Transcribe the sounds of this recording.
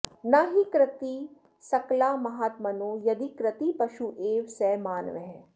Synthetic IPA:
naɦikɾɪt̪i | sɐklaːmɐɦaːt̪mɐnoːjɐd̪ikɾət̪ipɐʃuʔeːʋsɛːmaːnʋeɦɛ

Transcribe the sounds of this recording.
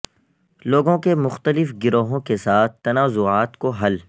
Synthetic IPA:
loːɡõkemʊxt̪əlɪfɡɪɾoːɦõkesaːt̪̚ʰt̪ɐnaːzʊaːt̪koɦɐl

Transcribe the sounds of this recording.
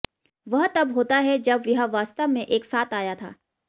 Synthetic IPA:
ʋɐɦt̪ɐbɦoːt̪aɦɛd͡ʒɐbʋɪɦəʋaːst̪əʋmẽʔeːksaːt̪ʰaːjat̪ʰa̰ː

